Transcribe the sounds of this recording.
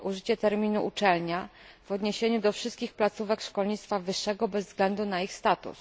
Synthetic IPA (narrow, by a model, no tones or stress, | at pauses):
ʔuʐɘt͡ɕɛt̪ɛɾmʲinuʔut͡ʂɛlɲa | v̥ɔd̪ɲeɕeɲud̪ɔfʂɘst̪̚kʲixplat̪suvɛkʂkɔlɲit̪t̪favɘʂːɛɡɔbɛzːzɡlɛnd̪unaixst̪at̪ṵs